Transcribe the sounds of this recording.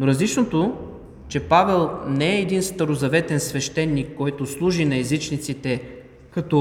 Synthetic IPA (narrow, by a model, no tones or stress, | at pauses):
noɾɐzlit͡ʃnot̪o | t͡ʃɛpavɛlˠnɛɛːd̪inst̪ɐɾozɐvɛt̪ɛnsvɛʃt̪ɛnːikːɔjt̪oslˠuʒinɐɛzit͡ʃnit̪sit̪ɛ | kɐt̪ɔ